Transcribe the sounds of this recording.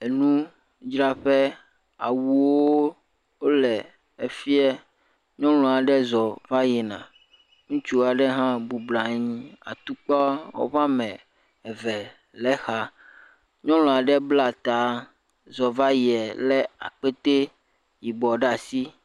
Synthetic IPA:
e˨nũ˦ | d͡ʒɾa˦ɸɛ˦ | a̰˨wu˨wo˦ | wo˦lɛ˨ | e˨fi˦ɛ˦ | ɲɔ̃˦l̃ɔ̃˨a˨ɖɛ˦zɔ˨va˦jɛ˨nã̰˨ | ŋũ˦t͡ʃu˦a˨ɖɛ˦ɦã˦bu˨bla˨ɲĩ˦a̰˨t̪u˦k͡pɔ˦wo̰˦βa˦mɛ̃˨ | ɛ˨vɛ˨ | lɛ˦xa˨ | ɲɔ̃˦l̃ɔ̃˨a˨ɖɛ˦bla˦˨t̪a˨ | zɔ˨va˦ji˨ɛ˨lɛ˦a̰˨k͡pe˦t̪e˦ | ji˨bɔ˨ɖa˨si˦

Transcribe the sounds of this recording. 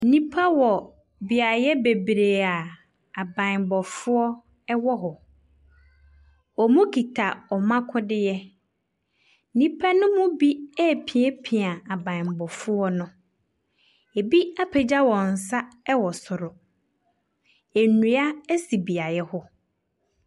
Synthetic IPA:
n̩˦nĩ˦pʰa˦wɔ˨ | bi˨a˨jɛ˦be˨bɾe˨a˨ | a˨bã˨mbɔ˨fʊ˦ɔ˦ | ɛ˦wɔ˦ɦʊ˨ | ɔ˨mũ˦kʰi˨tʰa˨ɔ˨mã˦kʰʊ̃˦dɪ˦jɛ˦ | nĩ˦pʰa˦nʊ̃˦mʊ̃˦bi˦ɛ˦˨pʰĩ˨ɛ˦pʰĩ˨a˨a˨bã˨mbɔ˨fʊ˦ɔ˦nʊ̃˦ | e˨bi˦a˦pʰɛ˨d͡ʑa˦wɔ˨n̩˨sa˦ɛ˦wɔ˨sʊ˨ɾʊ˨ | e˨nũ˨a˦æ˦si˨bi˨a˨jɛ˦hʊ˦

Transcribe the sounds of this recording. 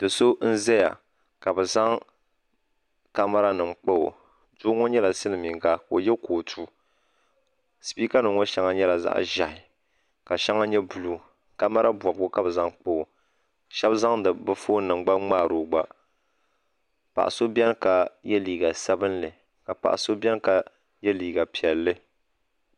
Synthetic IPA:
dɨ˨so˦n̩˦zɛ˦ja̰˨ | ka˨bɛ˨za˦ŋ | ka˦ma˦ɾa˦nɨ˨ŋ͡mk͡po˦o̰˨ | do˦ŋɔ˦ɲɛ˦la˨sɨ˦nɨ˨mi˨ŋɡa˦ko˨jɛ˦koː˨tʰu˦ | sɨ˨piː˦ka˦nɨ˨ŋɔ˦ʃɛ˦ŋa˦ɲɛ˦la˨za̰˦ʔʒa˨hɪ˨ | ka˨ʃɛ˦ŋa˦ɲɛ˦bu˨lu˦ | ka˦ma˦ɾa˦bwɔ˨bɡʊ˦ka˦bza˦ŋk͡po˦˨ | ʃɛ˦bza˦ŋdɨ˨bɨ˦foː˦nɨ˨ŋ͡mɡ͡ba˦ŋ͡maː˦˨ɾo˨ɡ͡ba˦ | pa̰˨ʔa̰˨so˦bɛ˦n˦ka˨jɛ˦liː˨ɡa˨sa˦bɨ˦nlɨ˨ | ka˨pa̰˨ʔa̰˨so˦bɛ˦n˦ka˨ | jɛ˦liː˨ɡa˨pi˨ɛ˨lːɨ˦

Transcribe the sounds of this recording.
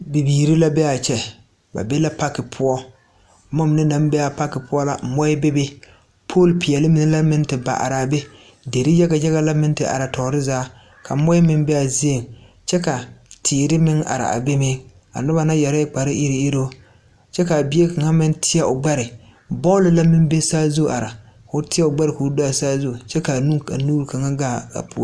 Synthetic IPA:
bi˨biː˨ɾi˦la˦bɛ˦a˨t͡ʃɛ˨ | ba̰˨be˦la˦pa˦kːɪ˨pʰʊ˦ɔ˦˨ | mɔ˦m˨nɪ˦na˨˦m˦bɛ˦a˨pa˦kɪ˨pʊ˦ɔ˦la̰˨mɔ˦ɪ˦be˦be˦ | pʰoː˦˨lpi˨ɛ˨lɪ˦mɪ˨nɪ˦la˦mɪ˦ntɪ˨ba̰˨ʔa̰˨ɾa˨a˨be˦ | de˨ɾɪ˦jɛ˦ɡa˨jɛ˦ɣa˦la˦mɪ˦n˦tɪ˨ʔa̰˨ɾa˨tɔ˨ɾɪ˦zaː˦ | kʰa˨˦mɔ˦ɪ˦mɪ˦ŋ˦bɛ˦a˨zi˦e˨ŋ | t͡ʃɛ˦ka˨tʰiː˨ɾɪ˦mɪ˦ŋa̰˨ɾa̰˨ʔa̰˨be˦me˦ | a̰˨nʊ˦ba˨na˦jɛ˨ɾa˦ɪ˦k͡pa˨ɾɪ˦ʔi˦ɾi˨i˦ɾo˦ | t͡ʃɛ˦ka˨bɪ˦e˦ka˨ŋa˦mɪ˦ntʰɪ˦a˦˨ʊ˨ɡ͡ba˦ɾɪ˨ | bɔ˦lɪ˨la˦mɪ˦m˦be˦saː˦zu˦˨ʔa˨ɾa˨ | kʊ˨˦tɪ˦a˦ʊ˨ɡ͡ba˦ɾɪ˨ku˨˦da˦a˨saː˦zu˦˨t͡ʃɛ˦ka˨nu˦ka̰˨nuː˦ɾka˨ŋa˦ɡaː˦˨a̰˨pu˨˦

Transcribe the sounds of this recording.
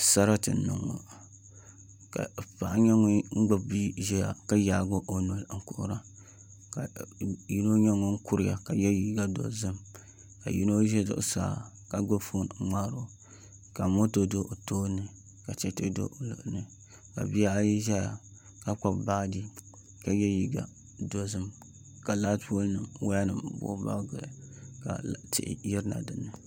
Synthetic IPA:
sa˦ɾa˦tɨ̰˨nʊ̰˨ŋo̰˨ | ka̰˨pa˨ʔɲɛ˦ŋ˦ŋ̩˦ɡ͡ba˨bi˦ʒɛ˦ja̰˨ka˦jaː˨ɡo˦ʔo˨no˨lŋ̩˨kʊ˨ʔɾa˦ | ka˨ji˦no˦ɲɛ˦ŋo˦ŋ̩˦kʊ˦ɾɪ˨ja̰˨ka˨jɛ˦ji˨˦ɡa˦do̰˨zɨ˦m | ka̰˨jḭ˦no˦ʒɛ˦do̰˨ʔsa̰ː˨ | ka˨ɡ͡bo˦fo˦n˨˦ŋ͡maː˦ɾo˦ | ka˨mo˦to˨do˦ʔo˨toː˦nːɨ˨ | ka˨t͡ʃɛ˦to˦do̰˦o˨lʊ̰˨ʔʊ˨˦nɨ˦ | ka̰˨bi˦a˦a˦ji˦ʒa˦ja˨ | ka˦k͡pa˨bbaː˦di˦ | ka˨jɛ˦ji˨ɡa̰˨ | do˨zɨ˦m | ka˨la˦dpo˦lnɨ˨mwa˦a˦nɨ˨m˦bo̰˦ba̰˦ɡɨ˨l̰ka̰˨tɪ̰˦ʔɪ̰˨ji˦ɾna̰˨dɨ˨nːɨ˨

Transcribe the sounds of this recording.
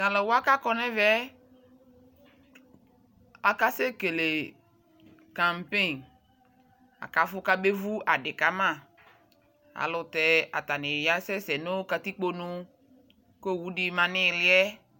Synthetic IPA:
ɡa˨lɔ˨wa˦ka˦kɔ˦nɛ˦vɛ˦ | a˨ka˦se˦ke˨le˨ | kã˨mpe˦˨n | a̰˨ka˨˦fʊ˦ka˦be˦vu˦a˨dɪ˨ka˨˦mã˦˨ | a̰˨lʊ˨tɛ˨a̰˨ta˨nɪ˨ɾi˨a˦sɛ˦sɛ˨no˦ka˨ti˦k͡po˦nũ˦ | ko˦˨wu˦di˦mã˨nɪ˦ɾɪ˦ɛ˦

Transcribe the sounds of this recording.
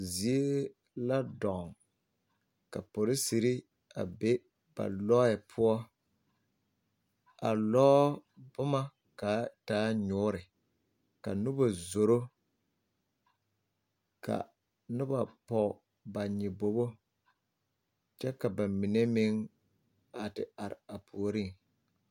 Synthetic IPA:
zi˨e˦ | la˦dɔ˨ŋ | ka̰˨po˨ɾɪ˦si˨ɾi˦ | a̰˨be˦ | b̥a̰˨lɔ˦jɪ˨pʰʊ˦ɔ˦ | a˨lɔː˦bʊ˦ma˦ | ka˨˦taː˦ɲʊː˦ɾɪ˨ | ka˨nʊ˦ba˨zo˨ɾo˦ | ka̰˨ | nʊ˦ba˨pɔ˨ | ba˨ɲɪ˨bo˨bo˦ | t͡ʃɛ˦ka˨ba˨mɪ˨ne˦mɪ˦ŋ | a˨tɪ̰˨a˨ɾɪ̰˨a˨pʰu˨o˨ɾi˦˨ŋ

